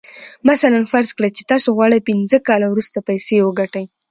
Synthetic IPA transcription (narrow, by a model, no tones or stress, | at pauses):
masalanfaɾzkɽəjt͡ʃe̥t̪ɑsoɣwɑɽəjpɪnzəkɑlawɾust̪apajsewəɡaʈaj